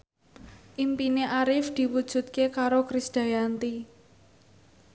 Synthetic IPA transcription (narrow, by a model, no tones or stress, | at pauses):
ʔimpineʔaɾɪfd̪̥i̤wud̥ʒ̥ṳt̪̚kekaɾokɾɪsd̪̥a̤jant̪i